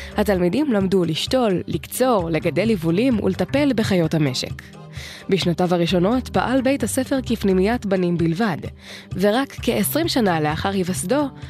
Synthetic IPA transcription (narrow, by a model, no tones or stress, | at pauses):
hatalmidimlamduliʃto̞lːikt͡so̞ʁle̞ɡade̞jlivulimṵletape̞lbe̞χajo̞thame̞ʃḛk | biʃnatavaʁiʃo̞no̞tpaʔalbe̞jthase̞fe̞ʁkifnimijatbanimbilvad | ve̞ʁakːeʔesʁimʃanaleaχaʁhivasdo̞